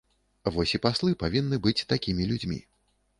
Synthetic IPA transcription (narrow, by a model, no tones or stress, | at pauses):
vɔsʲipaslˠɨpavʲinːɨbɨt͡sʲt̪akʲimʲilʲud͡zʲmʲḭ